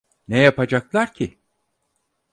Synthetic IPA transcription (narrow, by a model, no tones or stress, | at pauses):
nejapad͡ʒaklˠaɾcʰi